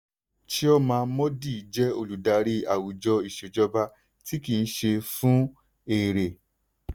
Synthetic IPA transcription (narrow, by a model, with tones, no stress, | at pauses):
ti˦ɔ˦mãː˧˦mɔ̃˦di˦˨˦d͡ʒɛ˦o˧˨lu˨da˨˧ɾi˦a˨wu˨d͡ʒɔ˧i˨ʃe˨d͡ʒɔ˧ba˧ | ti˦ki˨˧n̩˦ʃe˧fũ˦ | e˨ɾe˨